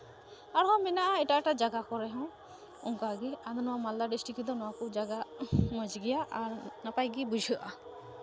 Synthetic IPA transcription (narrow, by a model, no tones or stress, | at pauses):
aɾɦɔ̃mɛnaʔaɛʈaʈad͡ʒaɡakɔɾɛɦɔ̃ | uŋkaɡiad̪ɔnɔwamald̪aɖisʈikid̪ɔnɔwakud͡ʒaɡamɔd͡ʒɡɛjaʔaɾnapajɡibud͡ʒʱɯʔa̰